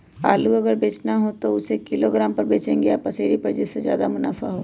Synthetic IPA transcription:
a̰ːluɐɡəɾbeːt͡ʃnaɦot̪oʊsekɪloɡɾaːmpɐɾbeːt͡ʃẽːŋɡeaːpɐseːɾipɐɾd͡ʒɪsːezja̰ːd̪amʊna̰ːfaɦoː

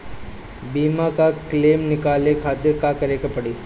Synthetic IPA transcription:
biːmakakleːmnɪkaːlekʰaːt̪ɪɾkakɐɾeːkapɐɽiː

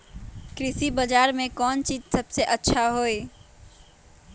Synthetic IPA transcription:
kɾɪsibəd͡ʒaːɾmẽkɔːnt͡ʃiːd͡ʒsəbseʔətːʃʰaɦoe

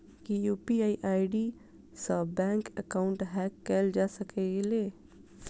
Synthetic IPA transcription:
kijuːpiaːiʔaːiɖi | səbɛ̃ːŋkə̰kaːʊ̃ɳʈɦɛːkːeːld͡ʒaːsɐkeleː

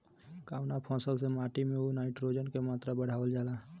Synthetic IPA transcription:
kaːʊnapʰɔ̃ːsəlsemaːʈimẽunaːɪʈɾoːd͡ʒənkemaːt̪ɾabəɽ̤aːʋəld͡ʒaːlaː

